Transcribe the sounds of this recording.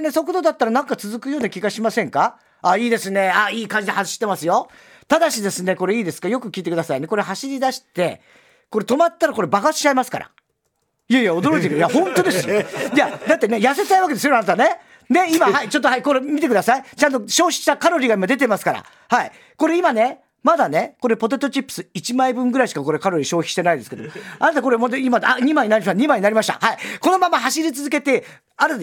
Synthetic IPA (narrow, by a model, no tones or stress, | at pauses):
ne̞sokot̪od̪at̪ːaɾanãŋkat͡sɨzɨkɯ̟jo̞ːnakʲiɡaɕimasẽ̞ŋka | aiːd̪e̞sɨne̞aiːkãɲd͡ʑid̪ehaɕi̥t̪ːe̞masɨjo̞ | t̪ad̪aɕid̪e̞sɨne̞ko̞ɾe̞iːd̪esɨ̥kajo̞kɯ̟kʲiːt̪ekɯd̪asaine̞ko̞ɾeɦaɕiɾʲid̪aɕi̥t̪e̞ | ko̞ɾe̞t̪o̞mat̪ːaɾako̞ɾe̞baɡaɕi̥t͡ɕːaimasɨ̥kaɾa̰ | ijaijao̞d̪o̞ɾo̞it̪ekɯjahõ̞nt̪o̞d̪e̞sjad̪at̪ːe̞ne̞jase̞t̪aiβaked̪esonanat̪ane̞ | ne̞imaɦait͡ɕo̞t̪ːoɦaiko̞ɾemʲit̪e̞kɯd̪asait͡ɕãnt̪̬oɕo̞ːçʲi̥ɕi̥t̪akaɾo̞ɾʲiːɡaimad̪e̞t̪emasɨ̥kaɾa̰ | hai | ko̞ɾe̞imane̞ | mad̪ane̞ko̞ɾe̞po̞t̪ot̪o̞t͡ɕipːɯ̥sɨit͡ɕimaibɯ̟̃ŋɡɯ̟ɾaiɕi̥kako̞ɾe̞kaɾo̞ɾʲiːɕo̞ːçʲi̥ɕi̥t̪e̞naid̪e̞sɨ̥ked̪omanat̪ako̞ɾemod̪imaaɲ̟imaiɲ̟inaɾʲiɲ̟imaiɲinaɾʲimaɕi̥t̪a̰haiko̞no̞mamaɦaɕiɾʲit͡sɨzɨke̞t̪e̞ | aɾe